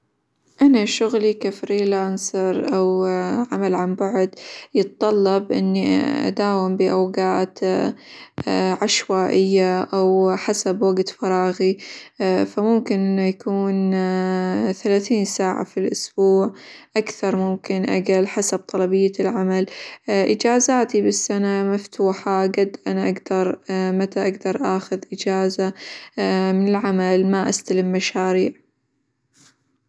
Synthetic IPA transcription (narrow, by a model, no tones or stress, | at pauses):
ʔanaʃʊɣlikafɾiːlaːnsɑɾˤʔawʕamalʕambaʕd̪jɨt̪t̪ˤɑlːɑbʔɪ̰nːiʔa̰d̪aːwɪmbiʔawɡaːt̪ | ʕaʃwaːʔɪjːaʔawħasabwaɡt̪fɑɾˤɑːɣi | famʊmkɪnʔɪjakuːn | θalaːθiːnsaːʕa̰filʔʊsb̥uːʕʔakθɑɾˤmʊmkɪnʔa̰ɡalħasab̚t̪ˤɑlɑbɪjːalʕamalʔɪd͡ʒaːzaːt̪ibɪsːanamaft̪ʰuːħaɡad̪ːʔanaʔaɡd̪ɑɾˤmat̪aʔaɡd̪ɑɾˤʔaːxʊðʔɪd͡ʒaːza | mɪnɪlʕamalmaʔast̪alɪmːaʃaːɾiːʕ